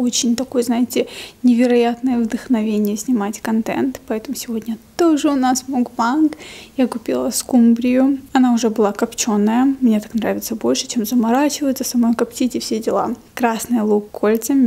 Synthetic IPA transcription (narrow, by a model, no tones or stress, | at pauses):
ot͡ɕɪnʲt̪ɐko̞jznajɪtʲɪnʲɪvʲɪɾɐjat̪nəjəvd̪əxnɐvʲenʲɪjəsʲnʲɪmatʲkɐnt̪ɛ̰nt̪pɐɛt̪əmʊsʲɪvodʲnʲət̪oʐɨʊnasmubankjakʊpʲilˠəskumbɾʲɪjʊɐnaʊʐɛbɨlˠakɐpt͡ɕo̞nːəjəmnʲet̪ḁknɾavʲɪt̪səbo̞lʲʂɨ̥t͡ɕe̞mzəmɐɾat͡ɕɪvəjɪt̪səsɐmo̞jkɐptʲitʲɪfsʲedʲɪlˠa̰ | kɾasnɨjəlˠukʰːolʲt̪sɨmʲ